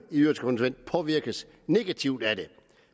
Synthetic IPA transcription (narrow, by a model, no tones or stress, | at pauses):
iyɐ̰sɡ̥kʰo̽nsuʋen̰d̥̚pʰɒ̽ʋiɐɡ̥əs | ne̝ɡ̥æt͡sʰiʊd̥æd̥e̝